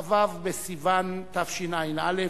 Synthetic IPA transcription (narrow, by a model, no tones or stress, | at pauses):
vavbesivant̪afʃinajnale